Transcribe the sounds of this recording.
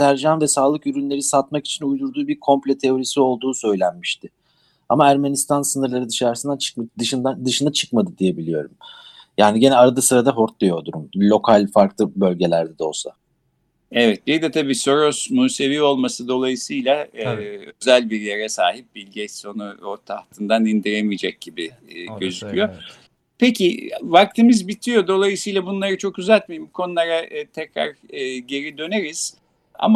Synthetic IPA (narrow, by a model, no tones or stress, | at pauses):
læɾʒanvɛsaːlˠɯkyɾynlʲe̞ɾisat̪maki̥t͡ʃʰinujd̪uɾd̪uːbiɾkʰo̞mplʲet̪ʰeo̞ɾisio̞lˠd̪uːsø̞jlʲænmiʃt̪ɪ | amaæɾme̞nist̪ʰansɯnɯɾlˠaɾɯd̪ɯʃaɾsɯnd̪at͡ʃʰɯ̥kd̪ɯʃɯnd̪ad̪ɯʃɯnat͡ʃʰɯ̥kmad̪ɯd̪ije̞bilʲijo̞ɾum | jaːniɟe̞nɛaɾad̪asɯɾad̪aɦo̞ɾt̪̚lijo̞d̪uɾumlʲo̞kʰalʲfaɾklˠɯbø̞lʲɟe̞lʲæɾd̪ɛd̪o̞̰lˠsa̰ | ɛvɛt̪̚bid̪ɛt̪ʰabiːso̞ɾosmuːse̞viːo̞lˠmasɯd̪o̞lˠajɯsɯjlʲˠa | ø̞zælʲbiɾjeɾɛsaːɦip̚bilʲɟɛso̞nuot̪ʰaht̪ʰɯnd̪anind̪iɾemijd͡ʒɛc̚ɟibi | ɟø̞zykcʰyjo̞ | pʰe̞cʰivak̚t̪ʰimizbit̪ʰijo̞d̪o̞lˠajɯsɯjlˠabunlˠaɾɯt͡ʃʰo̞køzælʲt̪miimbukʰo̞nulˠaɾat̪ʰɛcɾa̰ɾɟe̞ɾid̪ø̞ne̞ɾiz̥ | a̰ma